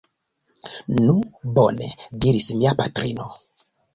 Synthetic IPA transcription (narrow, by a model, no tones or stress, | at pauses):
nubonediɾismiapatɾino